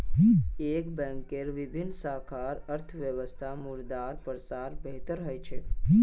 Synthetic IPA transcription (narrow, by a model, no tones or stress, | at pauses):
ekbɛ̃ŋkeɾʋɪbʱinːsəɦkʰaɾəɾt̪ʰʋjəʋəst̪ʰamuɾd̪aɾpɾsaɾbeɦt̪əɾɦɔjt͡ʃʰe